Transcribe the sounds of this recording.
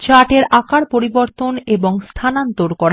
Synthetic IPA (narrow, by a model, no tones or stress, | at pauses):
t͡ɕaʈeɾakaɾpoɾiboɾt̪oneboŋst̪ʰanant̪oɾkɔɾa